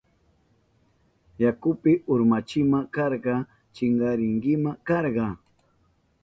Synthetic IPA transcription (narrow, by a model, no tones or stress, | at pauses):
jakʊpɪʔʊɾmat͡ʃɪmakɑɾɢɑ | t͡ʃɪŋɢɑɾɪŋkɪmakɑɾɢɑ